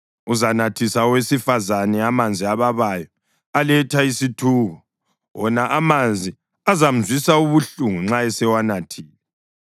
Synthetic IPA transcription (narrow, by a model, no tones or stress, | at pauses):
uzanatʰisawesifazanɛamand͡zʱiaβaβajɔ | alɛtʰaisitʰuːɣɔ | wɔnaʔamand͡zʱi | azam̩zwisauβuɬuŋuŋ͡ǁaɛsɛwanatʰiːlɛ